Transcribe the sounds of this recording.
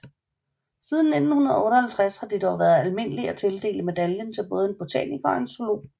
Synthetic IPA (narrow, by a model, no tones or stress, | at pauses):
siːð̞ˠn̩ːe̝d̥n̩hunɐð̞ˠɔ̽ːɾɐhælt͡sʰʁashɑ̈d̥id̥ɒʊʋæːɐð̞̩ˠælme̝n̰əliæt͡sʰe̝ld̥e̝̰ːləme̝d̥æljənt͡sʰe̝lb̥ɔ̽ːð̞̩ˠe̝nb̥o̝t͡sʰɛ̰nikɒ̽e̝nsolo̝̰